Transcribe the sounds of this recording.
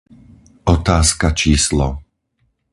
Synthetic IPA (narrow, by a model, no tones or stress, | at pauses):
ʔɔt̪aːskat͡ʃiːslɔ̰